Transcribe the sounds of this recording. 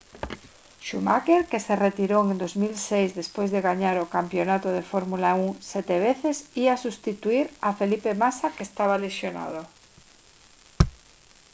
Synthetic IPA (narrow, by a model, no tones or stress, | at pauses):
ʃumakeɾkeseret̪iɾoend̪ozmilsejzðespojzðeɣaɲaɾokampjonat̪oð̞efoɾmulauŋsɛt̪eβ̞eθesiasust̪it̪uiɾafelipemasakest̪aβalesjona̰ð̞o